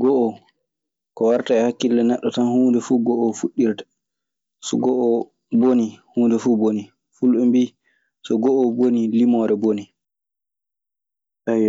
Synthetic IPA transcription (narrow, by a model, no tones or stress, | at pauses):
ɡɔʔɔ | kɔwaɾtaɛhakːilːɛnɛɗːɔtanhuːndɛfuɡɔʔɔfuɗːiɾtḁ | sɔɡɔʔɔ | bonihuːndɛfuboni | fulɓɛmbiː | sɔɡɔʔɔbonilimɔɾɛboni | a